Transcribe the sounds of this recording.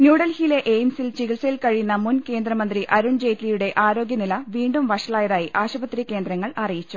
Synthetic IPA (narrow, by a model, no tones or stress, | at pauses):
njuːɽɐlhile̞ʔejmsilt͡ɕiɣilsɐjilkɐɻinːɐmunke̞ːnd̪rɐmɐnd̪riʔɐɾuɳd͡ʑe̞ːtːlijuɽe̞ʔaːɾo̞ːɡjɐnilɐʋiːɳɖumʋɐʂɐɭaːjɐðaːjiʔaːɕubɐt̪ɾrikːe̞ːnd̪ɾɐŋːɐɭɐrijit͡ɕːu